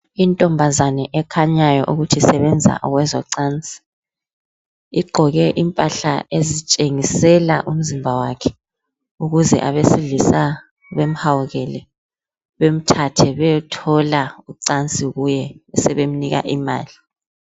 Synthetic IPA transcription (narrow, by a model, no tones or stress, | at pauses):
intʼɔmbʱazanɛʔɛkʰaɲajɔʔuɣutʰisɛβɛnd͡zʱa̰ʔɔɣwɛzɔ̰ǀant͡sʼi̥ | iɡ͡ǃʱɔɣɛʔimpʼaɬaezit͡ʃʼeŋisɛlaʔum̩zimbʱawakʰɛ̥ | uɣuzɛ̰ʔaβesiɮisa | βem̩hawuɣɛlɛ | βem̩tʰatʰɛβɛtʰɔlauǀant͡sʼiɣujɛɛsɛβem̩niɣa̰ʔima̰ːli